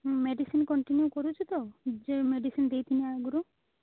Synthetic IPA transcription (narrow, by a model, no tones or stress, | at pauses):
meɖisinkɔɳʈinjukɔɾut͡ʃʰit̪ɔd͡ʒemeɖisind̪ejt̪ʰiniaɡuɾu